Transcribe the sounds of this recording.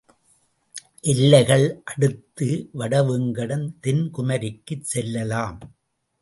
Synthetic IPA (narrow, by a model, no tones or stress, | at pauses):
ʔɪlːɐɪɣɐɭʔɐɽɯt̪ːɯʋɐɽɐʋɯŋɡɐɽɐnt̪ɪnkʊmɐɾɪkːɯt͡ʃsɛlːɐlaːm